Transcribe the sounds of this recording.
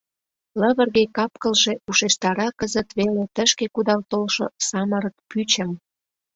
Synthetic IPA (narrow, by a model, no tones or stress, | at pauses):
ləβərɣekɑp̚kə̆lʒeuʃeʃt̪ɑɾɑkəzət̪βelet̪əʃkekud̪ɑlt̪olʃo̰sɑməɾək̚pyt͡ɕəm